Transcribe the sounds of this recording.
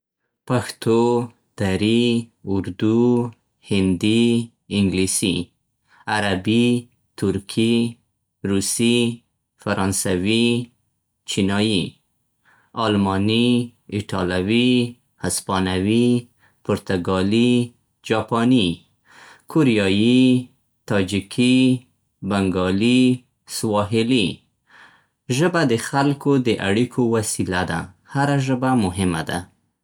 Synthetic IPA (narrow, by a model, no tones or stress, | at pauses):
paxt̪o | d̪̥aɾiʊɾd̪u | hɪnd̪i | ɪŋɡlisi | aɾabi | t̪ʊɾkʰi | ɾusi | faɾɑnsawi | t͡ʃinɑji | almɑniɪʈʰɑlawi | haspɑnawi | pʊɾt̪aɡɑli | d͡ʒɑpɑni | koɾijɑji | t̪ɑd͡ʒikʰi | baŋɡɑli | swɑɦɪli | ʒəbad̪əxalkod̪əʔaɽikʰowasilad̪a̰ | haɾaʒəbamʊɦɪma̰d̪a̰